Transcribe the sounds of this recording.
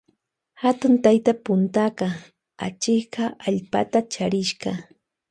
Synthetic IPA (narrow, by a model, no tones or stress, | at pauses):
hat̪ʊnt̪ajt̪apʊnt̪aɢɑ | a̰t͡ʃɪɢɑaʎpa̰t̪at͡ʃaɾɪʃɢɑ